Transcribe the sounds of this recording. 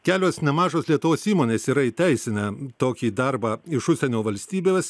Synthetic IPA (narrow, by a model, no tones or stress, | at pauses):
kʲæːlʲoːsnʲɛmɑːʒoːslʲiɛt̪ʊʋoːsiːmoːnʲeːsiːɾɐɪt̪ʲæɪsʲɪnʲɐt̪oːkʲiːd̪ɐɾbɑːɪʃʊsʲɛnʲoːʋɐlʲsʲt̪ʲiːbʲeːs